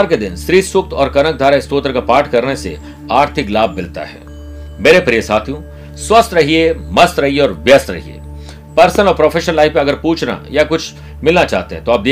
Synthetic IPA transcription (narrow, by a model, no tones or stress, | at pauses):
ɾked̪ɪnst̪ɾiːsʊk̚t̪ɔːɾkɐnək̚d̪ʱaːɾast̪oːt̪əɾkapaːɾʈʰkɐɾnesḛ | aːɾt̪ʰɪklaːbːɪlt̪a̰ɦɛ̰ː | meːɾepɾijəsaːt̪ʰijũ | swɐst̪ɾɐɦiemɐst̪ɾɐɦieɔːɾʋjɐst̪ɾɐ̰ɦḭḛː | pɐɾsənɔːɾpɾoːfʰeːʃə̃nlaːɪfmẽɐɡəɾpuːt͡ʃʰna̰jakʊt͡ʃʰ | mɪlnat͡ʃaːɦt̪eɦɛ̃t̪oaːp̚d̪eː